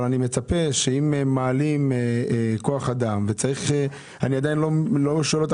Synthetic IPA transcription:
lanime̞t͡sape̞ʃeimeːaːlimeeko̞aχad̪amve̞t͡saʁiχe | aniad̪ajinlo̞loʃoelot̪

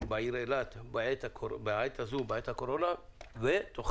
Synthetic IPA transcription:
baiɾelat̪bʕet̪beʕet̪azubeʕet̪hakoɾonavet̪oχ

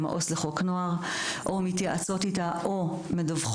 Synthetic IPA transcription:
ma̰ʔosleχo̞knoaʁʔomit̪jaʔat͡so̞titaʔomedavχ

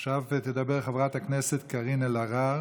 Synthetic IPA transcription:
ʃavet̪ed̪abe̞ʁχavʁat̪hakneset̪kaʁinelaʁaʁ

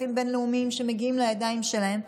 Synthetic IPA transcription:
imbe̞nleumiimʃe̞meɡiimlejad̪aimʃelae̞m

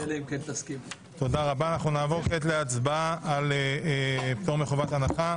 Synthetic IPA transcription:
eleimkent̪askim | t̪o̞daʁabaːnaχnunaːvo̞ʁketleat͡sbaaaleept̪oʁmeχovat̪anaχa

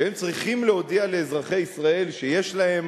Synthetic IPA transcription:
hemt͡sʁiχimleo̞d̪iale̞ːzʁaχe̞isʁae̞lʃeje̞ʃlaɦe̞m

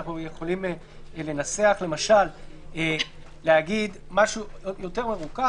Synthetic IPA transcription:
aχnuje̞χo̞lim | le̞nat͡seaχle̞maʃale | leaɡid̪maʃujo̞te̞ʁme̞ʁuka

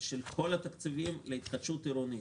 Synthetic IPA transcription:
ʃelkʰo̞lat̪ɐk̪t͡s̪ivimleit̪χɐd̪ʃut̪iɾoni

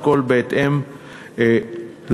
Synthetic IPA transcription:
kolbeet̪ʔem | e | l

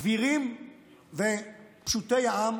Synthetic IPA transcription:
viʁim | vepʃut̪ejaam

